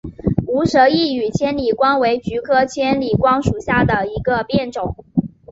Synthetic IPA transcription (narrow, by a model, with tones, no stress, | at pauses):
u˧˥ʂɤ˧˥i˥˩y˨˩t͡ɕʰjɛ˥nli˨˩kwɑ˥ŋwe˧˥ɪt͡ɕy˧˥kʰɤ˥t͡ɕʰjɛ˥nli˨˩kwɑ˥ŋʂu˨˩ɕja˥˩d̪ə˩i˧˥ɡə˧pjɛ˥˩nʈ͡ʂʊ˨˩˦ŋ